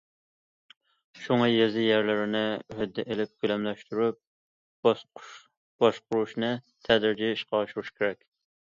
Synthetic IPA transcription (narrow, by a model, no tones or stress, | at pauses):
ʃuŋɑjezɪjæɾlɪɾɪnɪɦød̪ːɛʔelɪp̚kʲylɛmlɛʃt̪yɾyp̚ | b̥ɑʃqʊɾuʃnɨ | t̪ʰɛd̪ɪɾd͡ʒiiʃqʰɑʃuɾuʃkʲʰeɾɛkʲ